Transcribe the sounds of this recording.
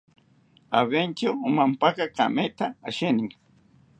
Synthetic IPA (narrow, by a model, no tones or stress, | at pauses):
aβent͡ʃamampakaka̰mejt̪aːʃɪnɪŋ